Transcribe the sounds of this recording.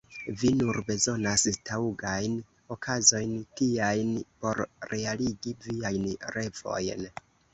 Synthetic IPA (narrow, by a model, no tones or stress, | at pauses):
vinuɾbe̞zo̞nastauɡajn | o̞kʰazo̞jntiajnpo̞ɾɾe̞aliɡiviajnɾe̞vo̞̰jn